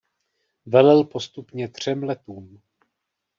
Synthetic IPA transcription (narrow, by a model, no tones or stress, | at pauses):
vɛlɛlpo̞st̪upɲɛt̪r̝̥ɛmlɛt̪uːm